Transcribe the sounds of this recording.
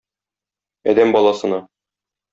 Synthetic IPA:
ɒ̰d̪æmbɒlˠɑsɤ̆nɑ

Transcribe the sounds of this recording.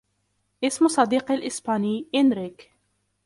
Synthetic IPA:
ʔɪsmsˤɑd̪iːqalʔɪsbaːniːʔɪnɾɪk

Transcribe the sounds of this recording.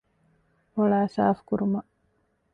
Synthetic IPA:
oɭaːsa̰ːfkuɾumɐʔ

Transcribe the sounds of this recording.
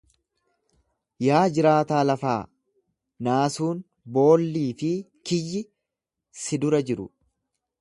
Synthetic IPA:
jaːd͡ʒɪɾaːt̪aːlɐfaː | naːsuːn | bo̞ːlːiːfɪ | kɪjːɪ | sɪd̪ʊɾɐd͡ʒɪɾʊ̰

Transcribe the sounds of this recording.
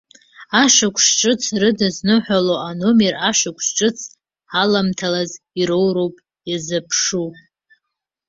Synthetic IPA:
aʃakʷʰʼʂʈ͡ʂʼɨt͡sʰrɨdɨznɨħʷᶣaloʔanomeraʃʷakʷʰʼʂʈ͡ʂʼɨt͡sʰ | alamtʰalaz | iɾowɾowpʼ | jazɨpʰʂu

